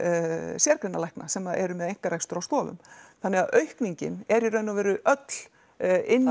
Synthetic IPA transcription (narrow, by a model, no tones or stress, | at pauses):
sjɛːɾkɾɪnːalɛjhknasɛmaðɛ̰ɾʏmɛðejŋ̥kaɾajkst̪ʏɾawst̪ɔːvʏ̰mθanːɛɣaðʔœɥhkniɲcɪ̰nɛɾirœːɥnavɛːɾʏʔœt̪l̥ | ɪnː